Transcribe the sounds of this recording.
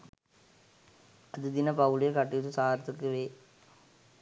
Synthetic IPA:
ɐðɯd̪ɪnɐpɐʋlɪjɐkɐʈːijt̪ːɯsaːɾɐt̪ːɯkːɯʋeː

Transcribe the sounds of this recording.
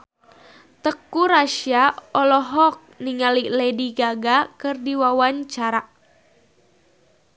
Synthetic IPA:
t̪əkːuɾaʃiaɔlɔɦɔk̚niŋalilediɡaɡakɨrdiwawaɲt͡ʃaɾa

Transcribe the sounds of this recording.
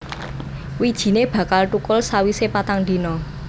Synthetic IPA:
wid̥ʒ̥i̤neb̥ä̤kalʈukʊlsawisepat̪aŋd̪i̤nɔ

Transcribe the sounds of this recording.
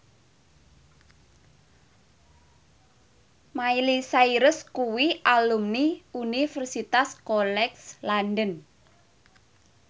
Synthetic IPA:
mailisaiɾʊskuwiʔalumniunifərsit̪askɔlɛkslandən

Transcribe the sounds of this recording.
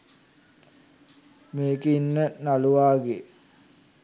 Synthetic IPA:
meːkeinːənaluʋaːɡe

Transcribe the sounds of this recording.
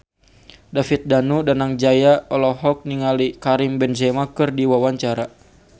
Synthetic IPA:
dafit̪̚danudanaŋd͡ʒajaɔlɔɦɔk̚niŋalikaɾimbɛnd͡ʒɛmakɨrdiwawaɲt͡ʃaɾa

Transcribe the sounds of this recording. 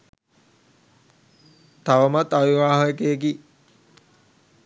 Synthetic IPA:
t̪aʋəmat̪aʋiʋaːɦoekek̬i

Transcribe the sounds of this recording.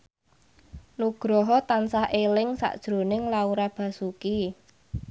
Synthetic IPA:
nuɡ̥ɾɔɦɔt̪ansahʔelɪŋsa̰ʔd̥ʒ̥ɾo̤nɪŋlauɾab̥a̤suki

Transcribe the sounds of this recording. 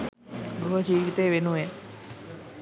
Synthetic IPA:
ɾuʋəd͡ʒiːʋit̪əːʋenuʋe

